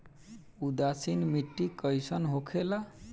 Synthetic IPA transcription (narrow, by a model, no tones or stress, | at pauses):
ud̪asinmiʈːikəjsʌnɦokʰela